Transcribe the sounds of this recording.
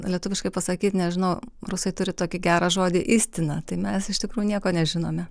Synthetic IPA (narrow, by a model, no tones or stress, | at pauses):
lʲiɛt̪ʊʋʲɪʃkɐɪpɐsɐkʲiːt̪nʲɛʒʲɪnɐʊrʊsɐɪt̪ʊɾʲɪt̪oːkʲɪɡʲæːɾɐʒoːd̪ʲɪʔiːsʲt̪ʲɪnɐt̪ɐɪmʲɛsɪʃt̪ʲɪkɾuːjuʊnʲiɛkoːnʲɛʒʲɪnoːmʲɛ